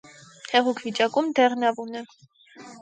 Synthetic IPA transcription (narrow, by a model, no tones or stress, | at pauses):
hɛʁukʰvit͡ʃɑkumd̪ɛʁnɑvunɛ